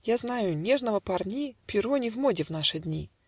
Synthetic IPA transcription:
jaznajʊnʲeʐnəvəpɐrnʲipʲɪɾonʲɪvmodʲɪvn̪aʂɨd̪ʲnʲi

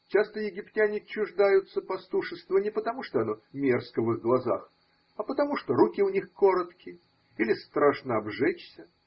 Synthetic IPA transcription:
t͡ɕast̪əjɪɡʲɪptʲænʲɪt͡ɕːʊʐd̪ajʊt̪sːəpɐst̪uʂɨst̪vənʲɪpət̪ɐmuʂt̪oɐnomʲerskəvɨɣɡlˠɐza̰x | ɐpət̪ɐmuʂt̪oɾukʲɪʊnʲixko̞ɾət̪kʲɪ | ilʲɪst̪ɾaʂnəɐbʐɛt͡ɕsʲə

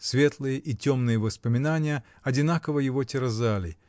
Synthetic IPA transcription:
svʲe̞t̪lˠɨjəʔitʲo̞mnɨjəvəspəmʲɪnanʲɪjə | ɐdʲɪn̪akəvəjɪvotʲɪɾɐzalʲɪ

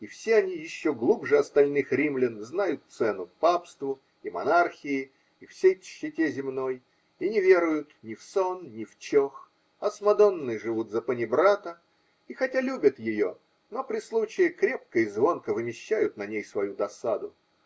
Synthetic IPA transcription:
ifsʲeɐnʲijɪɕːo̞ɡlˠubʐɨɐst̪ɐlʲnɨxɾʲimlʲɪnznajʊt̪̚t̪sɛnʊpapst̪vʊ | imɐ̰narxʲɪɪː | fsʲejɕːɪtʲezʲɪmno̞j | inʲɪvʲe̞ɾʊjʊt̪nʲɪfso̞nnʲɪft͡ɕox | ɐsmɐd̪o̞nːɨjʐɨvut̪zəpənʲɪbɾat̪ə | ixɐtʲalʲubʲət̪jɪjo̞ | no̞pɾʲɪslˠut͡ɕɪjɪkɾʲe̞p̚kəɪzvo̞nkəvɨmʲɪɕːæjʊt̪̚nɐnʲejsvɐjud̪ɐsad̪ʊ

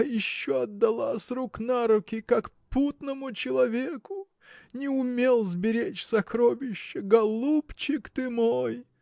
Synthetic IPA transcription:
jɪɕːoɐd̪ːɐlˠasʲruknaɾʊkʲɪkakput̪nəmʊt͡ɕɪlˠɐvʲekʊ | nʲɪʊmʲelˠzbʲɪɾʲet͡ɕsɐkɾovʲɪɕːəɡɐlˠupt͡ɕɪkt̪ɨmoj

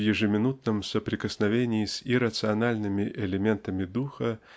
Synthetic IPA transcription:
jɪʐɨmʲɪnut̪̚nɨmsɐpɾʲɪkɐsnavʲenʲɪjisʲiɾɐt̪sɨanalʲnɨmʲiʔɛlʲɛmʲɛnt̪ɐmʲid̪uxɐ

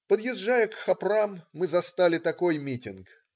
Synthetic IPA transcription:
pəd̪jɪzːajəkxɐpramːɨzɐst̪alʲɪt̪ɐko̞jmʲitʲɪnk

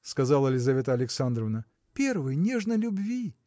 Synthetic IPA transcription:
skɐzalˠəlʲɪzɐvʲet̪əɐlʲɪksand̪ɾəvnə | pʲervɨjnʲeʐnəlʲʊbvʲi

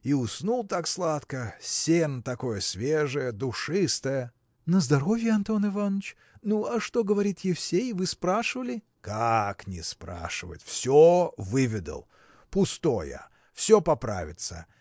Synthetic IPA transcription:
iʊsnulˠt̪akslˠat̪kəsʲent̪ɐko̞jəsʲvʲeʐəjəd̪ʊʂɨst̪əjə | nəzd̪ɐɾo̞vʲjəɐnt̪o̞nɨvanːət͡ɕ | nuɐʂt̪o̞ɡəvɐɾʲit̪jɪfsʲejvɨspɾaʂɨvəlʲɪ | kaknʲɪspɾa̰ʂɨvə̰tʲfsʲovɨvʲɪd̪ə̰lˠ | pʊst̪ojə̰ | fsʲopɐpɾa̰vʲɪt̪sə̰

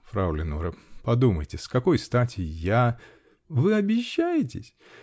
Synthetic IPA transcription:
fɾalʲɪnuɾəpɐd̪uməjtʲɪskɐko̞jst̪atʲɪja | vɨɐbʲɪɕːæjɪtʲɪsʲ

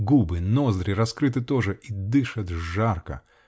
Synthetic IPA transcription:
ɡubɨnozd̪ɾɪɾɐskɾɨt̪ɨt̪o̞ʐɨʔid̪ɨʂət̪ʐarkə̰

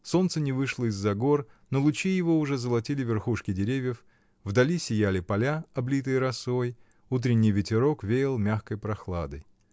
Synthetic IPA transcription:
so̞nt̪sənʲɪvɨʂlˠəɪzːɐɡo̞r | nolˠʊt͡ɕijɪvo̞ʊʐɛzəlˠɐtʲilʲɪvʲɪrxuʂkʲɪdʲɪɾʲevʲjəf | vd̪ɐlʲisʲɪjælʲɪpɐlʲaɐblʲit̪ɨjɾɐso̞j | ut̪ɾʲɪnʲːɪjvʲɪtʲɪɾo̞kvʲejɪlˠmʲaxkəjpɾɐxlˠad̪əj

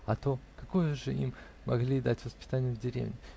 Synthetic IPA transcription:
ɐt̪okɐkojəʐɨḭmː | ɐɡlʲid̪atʲvəspʲɪ̥t̪anʲɪjəvdʲɪɾʲḛvnʲɪ

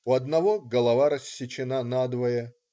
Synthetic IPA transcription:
ʊɐd̪nɐvoɡɐlˠɐvaɾɐsʲːɪt͡ɕɪnanad̪vɐjɛ

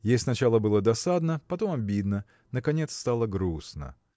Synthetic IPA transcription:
jejʲsnɐt͡ɕalˠəbɨlˠəd̪ɐsad̪nəpɐt̪o̞mɐbʲid̪nə | nəkɐnʲe̞t̪st̪alˠəɡɾusnə̰

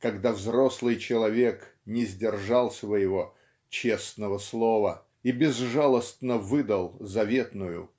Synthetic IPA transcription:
kɐɡd̪avzɾoslˠɨjt͡ɕɪlˠɐvʲe̞knʲɪzʲdʲɪrʐɑlˠsvəjɪvo | t͡ɕesnəvəslˠovə | ibʲɪzʐalˠəst̪nəvɨd̪əlˠzɐvʲe̞t̪nʊjʊ̰

